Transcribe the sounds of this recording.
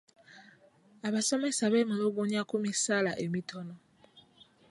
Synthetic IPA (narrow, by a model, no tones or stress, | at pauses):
aβaso̞me̞saβeːmuloɡuɲakumisalaʔemitʰo̞no